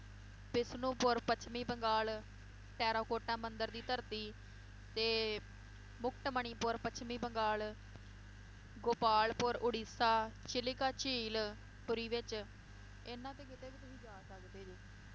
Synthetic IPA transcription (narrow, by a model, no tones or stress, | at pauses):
pɪsnũːpʊɾpət͡ʃʰmĩːbəŋɡaːl | ʈɛːɾõːkoːʈãːmənd̪əɾd̪iːt̪əɾt̪iː | t̪eː | mʊkʰʈməɳiːpʊɾpət͡ʃʰmĩːbəŋɡaːl | ɡoːpaːlpʊɾʔʊɽiːsaːt͡ʃɪlɪkaːt͡ʃiːl | pʊɾiːʋɪt͡ʃ | enãːt̪ẽːkɪt̪eːbiːt̪ʊsĩːd͡ʒaːsəkd̪eːd͡ʒiː